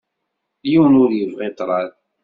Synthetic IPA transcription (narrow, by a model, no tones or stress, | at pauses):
jiwənʊɾjəvʁet̪ˤɾˤɑl